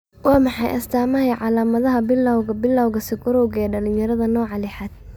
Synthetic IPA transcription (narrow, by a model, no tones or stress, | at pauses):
wɑːmɑħɑjʔɐ̰st̪ʰaːmɐɦɛjʕɑlaːmɐðɐɦɐbɪlːɐwɐbɪlːɐwɣɐsɪɡʊɾɔwɣɛːɖɐlɪnjɐɾɐðɐnɔːʕɑlɪħaːd̪̥̚